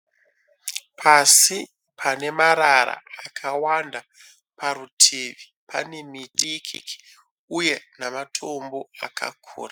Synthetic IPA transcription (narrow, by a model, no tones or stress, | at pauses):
pʰasi | pʰane̞maɾaɾa̰akʰawanda | paɾutʰeːʋi | pʰa̰nemiɗikʰḭki̥ | uje̞namatʰo̞mbo̞akʰa̰kʰṵːra